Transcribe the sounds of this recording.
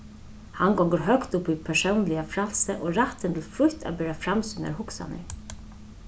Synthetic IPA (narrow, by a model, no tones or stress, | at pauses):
haŋɡɔŋɡəɾɦœkt̪ʊpipʰɛʂəwnlɪafɾalsəʔoɾaht̪ənt̪ʰɪlfɾʊht̪a̰bɛːɾafɾamsʏna̰ɾhʊksa̰nə̰